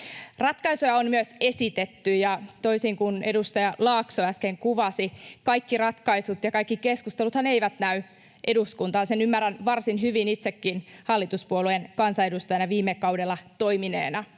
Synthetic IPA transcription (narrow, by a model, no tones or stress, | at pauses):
rɑt̪kɑisojɑonmyøse̞sit̪et̪ːyjɑt̪o̞isiŋkunedust̪ɑjɑlɑːksoæskeŋkuʋɑsikɑikːirɑt̪kɑisut̪jɑkɑikːikeskust̪elut̪hɑneiʋæt̪næy | ʔe̞duskunt̪ɑːsenymːærænʋɑrsinɦyʋinit̪sekːinhɑlːit̪uspuoluenkɑnsɑe̞dust̪ɑjɑnɑʋiːmːekɑwdelːˑɑt̪oiminḛːnɑ